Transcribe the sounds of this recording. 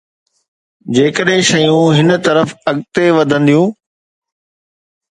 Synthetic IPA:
d͡ʑeːkəɗɦɪ̃ʃɐjũɦɪnt̪ɐɾəfɐɠt̪eʋɐd̪ʱə̃nd̪ijũː

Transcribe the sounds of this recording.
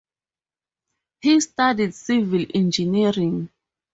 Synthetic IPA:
histadidsivilɛ̃nd͡ʒiniɹĩŋ

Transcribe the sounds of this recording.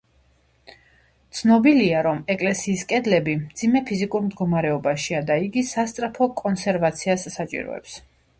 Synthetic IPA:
t̪sʰnɔbiliaɾɔmɛkʼlɛsiːskʼɛd̪lɛbimd̪z̥imɛpʰizikʼuɾmd̪ɡɔmaɾɛɔbaʃiad̪aiɡisast̪sʼɾapʰɔkʼɔnsɛɾvat̪sʰiasːat͡ʃʼḭɾɔ̰ɛ̰ps

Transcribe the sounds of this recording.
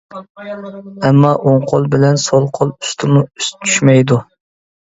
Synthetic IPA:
ɛmːɑʔoŋqʰolˠbɪlɛnsolˠqʰolˠyst̪ʰɪmʊyst͡ʃʰyʃmɛjd̪u

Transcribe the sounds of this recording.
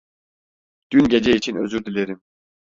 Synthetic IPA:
d̪̥ynɟed͡ʒɛit͡ʃʰinø̞̰zyɾd̪ilʲeɾim

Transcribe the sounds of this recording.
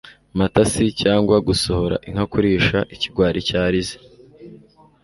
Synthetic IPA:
matasicaːŋɡwaɡusoho̞ɾa̰ʔiŋhakuɾiːʃaʔiciɡwaːɾʔicaːɾize̥

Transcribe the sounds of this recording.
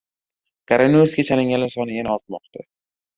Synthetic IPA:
kaɾaniuɾsɡʲat͡ʃʰalɪŋɡʲanlaɾsɒnɪjanaɒt̪̚mɒqt̪ʰa

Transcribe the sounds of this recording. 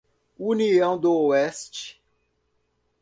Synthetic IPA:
uniɐ̃w̃d̪ooɛst͡ʃɪ̥

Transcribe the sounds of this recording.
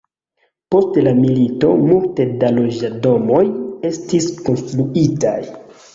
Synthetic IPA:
po̞stelamilito̞multe̞dalo̞d͡ʒado̞mo̞je̞stisko̞nstɾuitaj

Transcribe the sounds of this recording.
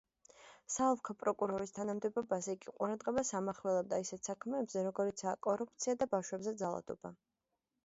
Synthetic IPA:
saɔvkʰɔpʼɾɔkʼuɾɔɾist̪ʰanamd̪ɛbɔbasiɡiqʼuɾad̪ʁɛbasamaχlɛlˠɛb̚d̪aisɛt̪sakʰmɛːbzɛɾɔɡɔɾit̪sʰaːkʼɔɾup̚ʰt̪sʰiad̪abafʃwɛbzɛd̪zalˠa̰d̪̥ɔ̰b̥a̰

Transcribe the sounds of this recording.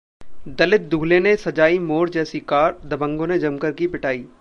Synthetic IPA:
d̪ɐlɪt̪̚d̪uːlenesɐd͡ʒaːimoːɾd͡ʒɛːsikaːɾd̪ɐbə̃ŋɡõned͡ʒɐmkəɾkipɪʈʰaːiː

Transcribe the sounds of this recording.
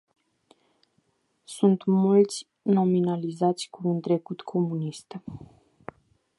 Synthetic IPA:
sunt̪mult̪sʲ | no̞minalizat̪sʲkuːnt̪ɾe̞kut̪kʰo̞munist̪

